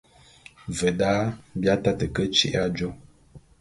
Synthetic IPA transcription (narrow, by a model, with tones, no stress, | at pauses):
və˨daː˦bja˦ta˦tə˨kə˦t͡ʃḭ˦ʔa˦d͡ʒo˦